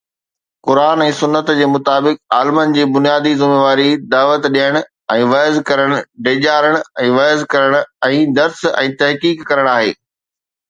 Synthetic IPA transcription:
kʊɾaːnɛ̃ːsʊnːət̪d͡ʑeːmʊt̪aːbɪkaːlmənɪ̆d͡ʑiːbʊnijaːd̪izɪmeːʋaːɾid̪aːʋət̪ɗijəɽ̃ʊ | ɛ̃ːʋɐzkɐɾəɽ̃ʊ̆ɖeːʄaːɾəɽ̃ʊɛ̃ːʋɐːzkɐɾəɽ̃ʊ̆ɛ̃ːd̪ɐɾsɛ̰̃ːt̪ɐɦkiːkːɐɾəɽ̃aːɦḛː

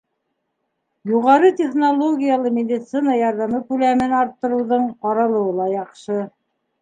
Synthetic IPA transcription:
juʁɑɾɤt̪ʲeχnolˠoɡʲijalˠɤmʲed̪ʲit̪sɨnɑjɑɾðɑmɤkʉlæmɘnɑɾt̪ːɤ̆ɾɤ̆wðɤɴqɑɾɑlˠɤ̆wɤlˠɑjɑqʃɤ

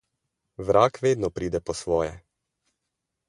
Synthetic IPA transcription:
ʋɾʔaːkʋeːd̪nɔpɾiːd̪ɛpɔsʋɔːjɛ̰

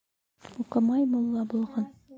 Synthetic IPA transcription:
uqɤmɑjmulˠːɑbulˠʁɑn

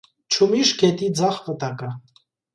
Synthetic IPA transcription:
t͡ʃʰumiʃɡɛt̪ʼid͡zaχvət̪ʼakʼa

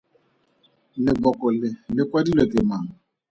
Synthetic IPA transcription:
lɪɡ͡bɔkʊlɪlɪkʷadiletemaɦʊ

